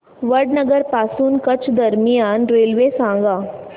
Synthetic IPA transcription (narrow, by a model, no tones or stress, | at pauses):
ʋəɖnəɡəɾpaːsuːnkɐt͡ʃd̪ɐɾmijaːnɾeːlʋesãːŋɡaː